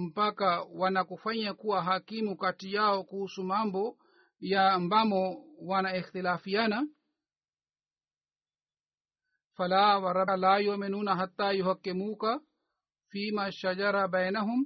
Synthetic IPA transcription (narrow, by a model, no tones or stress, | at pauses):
m̩pakawanakufaɲakuwaɦakimukatijaɔkuhusumambɔ | jambamɔwanaixt̪ilaːfijana | falawaɾalajɔminunaɦat̪ːajuhakːimuːka | fiːmaʃad͡ʒaɾabajnaɦum